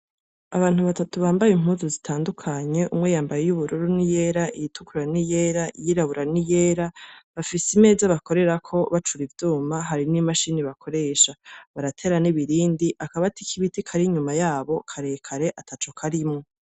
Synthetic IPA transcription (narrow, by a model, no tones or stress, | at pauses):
aβaːn̥uβatatuβaːmbajem̥ɦuːnzuzitʰaːndukʰaɲe̞ʔumŋejaːmbajejuβuɾuɾunije̞ːɾaijitukuɾanije̞ɾaʔijiɾaβuɾanijeːɾaβafisime̞ːzaβako̞ɾe̞ɾakʰo̞βat͡ʃuɾivjuːmaɦaɾinimaʃiniβakʰo̞ɾe̞ːʃaβaɾatʰe̞ːɾaniβiɾiːndiʔakaβatikʰiβitikʰaɾiɲumajaːβo̞kʰaɾe̞kʰaɾe̞ʔatʰat͡ʃokʰaɾimŋo̞